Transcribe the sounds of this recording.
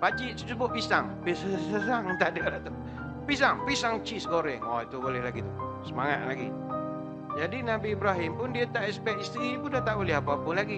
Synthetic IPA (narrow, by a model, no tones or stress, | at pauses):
bad͡ʒiʔsubʊʔpisaŋpisəsaŋt̪adɛlat̪u | pis̬aŋpisaŋt͡ʃisɡoɾɛŋɔit̪ubolɛhlaɡit̪usəmaŋat̪̚laɡḭ | d͡ʒadinabiːbɾaɦɪmpʊndiat̪aʔɛsbɛʔist̪ɾibundat̪aʔuliɦapaapəlaɡi